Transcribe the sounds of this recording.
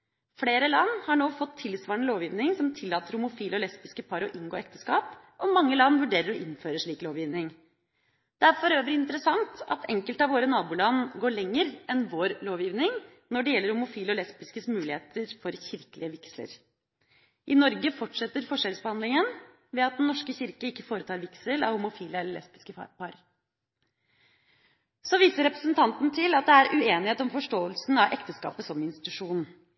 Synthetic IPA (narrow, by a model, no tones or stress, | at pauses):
fleːɾəlɑnːhɑɳoːfɔt̪ʰːɪlsʋɑːɳəloːʋjiːʋnɪŋsɔmt̪ʰɪlːɑːt̪əɾhʊmʊfiːlɔlɛspɪskəpʰɑːɾɔʔɪŋɡoːɛkt̪əskɑːp | ʔɔmɑŋːəlɑnʋʉɖeːɾəɾɔʔɪnføːɾəʂɭiːkloːʋjiːʋnɪŋ | d̪̥ɛæɾfɔɾøːʋəɾɪnt̪əɾəsɑŋt̪ɑ̰t̪ʰɛŋkəlt̪ɑʋoːɾənɑːbuːlɑnːɡoːɭɛŋːəɾʔɛnʋoːɾloːʋjiːʋnɪŋ | nɔɖɛjɛlːəɾhʊmʊfiːlɔlɛspɪskəsmʉːlɪeːt̪əɾfɔɾçɪɾkəlɪəʋɪkslə̰ɾ | ʔɪnɔɾɡəfɔʈʂɛt̪ːəɾfɔʂɛlsbəhɑnd̪ɪŋən | ʋɛɑt̪̚d̪ɛnnːɔʂkəçɪɾkəɪkːəfoːɾət̪ʰɑːɾʋɪksəlɑ̰ʋhʊmʊfiːləɛlːəɭɛ̰spɪ̥skəɑ̰pɑɾ | sɔʋiːsəɾɛpɾəsnt̪ʰɑnt̪nt̪ʰɪlɑt̪̚d̪ɛæɾʉeːnɪheːt̪ɔmfɔʂʈoːəlsn̩ɑʋʔɛkt̪əskɑ̰ːpəsɔmɪnst̪ɪ̥t̪ʉʂuːnn̩